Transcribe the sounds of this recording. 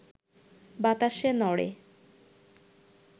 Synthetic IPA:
bat̪aʃenɔɽḛ

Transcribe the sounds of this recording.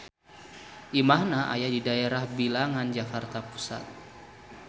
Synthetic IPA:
ʔimaɦnaʔa̰jadidaeɾahbilaŋand͡ʒafart̪apu̥sa̰t̪̚

